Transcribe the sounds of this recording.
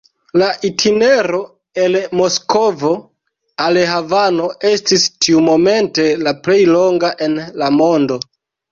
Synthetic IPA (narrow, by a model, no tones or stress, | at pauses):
laʔitʰine̞ɾo̞ | e̞lmo̞sko̞vo̞ | aleɦavano̞ʔe̞stistiumo̞me̞nte̞laple̞jlo̞ŋɡaʔenlamo̞ndo̞